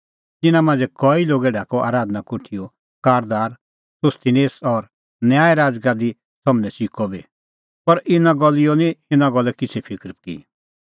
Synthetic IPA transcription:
t̪ɪnãmãːnd͡zɛkɔiloːɡɛɖʱaːkɔʔa̰ːɾaːd̪nakʊʈʰijɔ | kaːɾd̪aːɾ | sʊst̪ineːsɔɾ | njaːɛɾaːd͡zɡad̪i | sɐmnɛsikɔbi | pɐɾʔɪnãɡɔlijɔniɪnãɡɔlɛkɪt͡sʰɛpʰɪkɾpkḭ

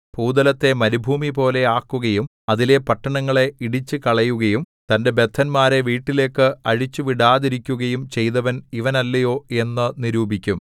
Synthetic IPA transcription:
puːd̪ɐlɐt̪ːe̞mɐnubʱuːmipo̞ːle̞aːkːuɣɐjum | ɐðile̞pɐʈːɐɳɐŋːɐɭe̞iɽit͡ɕːɨkɐɭɐjuɣɐjum | t̪ɐnde̞be̞t̪ʰːɐnmaːɾe̞ʋiːʈːile̞ːkːɨɐɻit͡ɕːuʋiɽaːðiɾikʲːuɣɐjumt͡ɕe̞jðɐʋɐniʋɐnɐlːɐjo̞ːe̞nːɨniɾuːbʱikʲːum

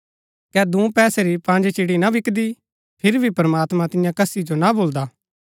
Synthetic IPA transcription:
kɛːd̪ũːpɛːseɾipãːnd͡ʒet͡ʃiːɽinaʋɪkd̪i | pʰɪɾbʱipɐɾəmaːt̪mãt̪ɪjãkɐsid͡ʒonaboːld̪aː

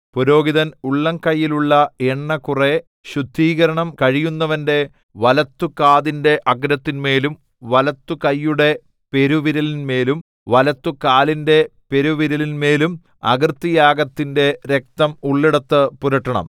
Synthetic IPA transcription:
puɾo̞ːɡiðɐnuɭːɐŋkɐjːiluɭːɐeɳːɐkure | ɕud̪ʱːiːɣɐɾɐɳɐmkɐɻijunːɐʋɐnde̞ | ʋɐlɐt̪ːukaːðinde̞ʔɐɡɾɐt̪ːinme̞ːlum | ʋɐlɐt̪ːukɐjːuɽe̞ | pe̞ɾuʋiɾɐlinme̞ːlum | ʋɐlɐt̪ːukaːlinde̞pe̞ɾuʋiɾɐlinme̞ːlum | ɐ̰ɡrt̪ːijaːɡɐt̪ːinde̞ɾe̞k̚t̪ɐmuɭːiɽɐt̪ːɨpuɾɐʈːɐɳɐ̰m

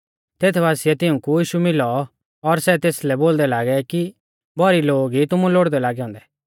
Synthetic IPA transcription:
t̪eːt̪ʰbaːsɪjɛt̪ɪũkujiːʃumɪlɔ | ɔɾsɛt̪eːslɛboːld̪ɛlaːɡɛki | bʱɔɾiloːɡit̪ʊmũloːɽd̪ɛlaːɡɛɦɔ̃ːnd̪ɛ

